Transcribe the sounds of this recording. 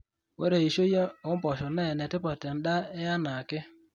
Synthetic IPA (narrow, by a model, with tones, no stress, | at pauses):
we˦ɾe˨i˨ʃo˦je˦o˨˦mpɔ˨ʃɔ˨nɛ˦˨nɛ˨tɪ˦pɔ˨ta˨nda˦e˦a˦na˨kɪ˦